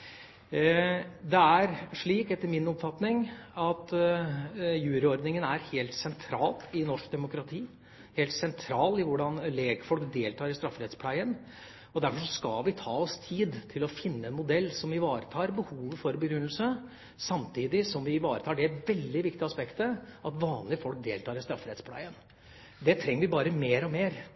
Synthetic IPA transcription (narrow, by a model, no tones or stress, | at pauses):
d̪ɛæɾʂɭiːkɛt̪ːəɾmɪnɔpfɑt̪nɪŋɑt̪ | jʉːɾəɔɾd̪nɪŋənæɾheːlt̪sɛnt̪ʰɾɑːlɪnɔʂkd̪ɛmʊkɾɑt̪ʰiː | heːlt̪sɛnt̪ʰɾɑːlɪʋʊɖɑnleːɡfɔlkd̪eːlt̪ʰɑːɾɪst̪ɾɑfːɾɛt̪spʰlæɪən | ɔd̪æɾfɔʂɔskɑlʋɪt̪ʰɑːɔst̪ʰiːd̪t̪ʰɪlɔfɪnːəɛnmʊd̪ɛlːsɔmʋɪʋɑːɾət̪ʰɑːɾbəhuːʋəfɔɾbəɡɾʉnːlsə | sɑmt̪ʰiːd̪ɪsɔmʋɪʋɑːɾət̪ʰɑːɖɛæʋɛld̪ɪʋɪkt̪ɪəɑspɛkt̪əʔɑt̪ʋɑːnlɪəfɔlk̚d̪eːlt̪ʰɑːɾɪst̪ɾɑfɾɛt̪spʰlæ̰ɪən | d̪ɛt̪ʰɾɛŋːəɾʋɪbɑːɾəmeːɾɔmeːɾ